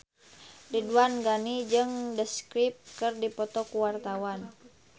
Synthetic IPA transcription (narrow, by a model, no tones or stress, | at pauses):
diduanɡanid͡ʒɨŋdəskɾip̚kɨrdipɔt̪ɔkuwart̪awan